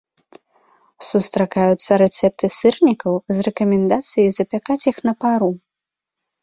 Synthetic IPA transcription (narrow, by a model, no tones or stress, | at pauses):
sust̪ɾakajut̪sːɐɾɛt̪sɛp̚t̪ɨsɨrnʲikɐwzrɛkɐmʲɛnd̪at̪sɨjijzɐpʲakat͡sʲjixnɐpaɾu